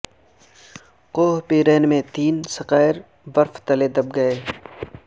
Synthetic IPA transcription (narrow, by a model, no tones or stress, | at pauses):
qoːɦpiːɾɛːnmẽt̪iːnsɐqaːɪɾ | ʋɐɾft̪ɐled̪ɐb̚ɡɐeː